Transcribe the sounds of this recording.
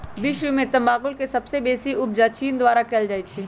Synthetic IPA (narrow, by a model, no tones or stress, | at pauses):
ʋɪʃwmẽt̪ɐ̃mbaːkʊlkesɐbsebeːsiʊb̚d͡ʒat͡ʃiːnd̪waːɾakɛld͡ʒaːit͡ʃʰi